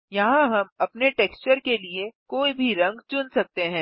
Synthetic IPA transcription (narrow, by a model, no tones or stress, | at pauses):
jɐɦãɦɐmɐpneʈeːkst͡ʃəɾkeliekoːibʱiɾɐ̃ŋɡt͡ʃʊnsɐk̚t̪eɦɛ̃ː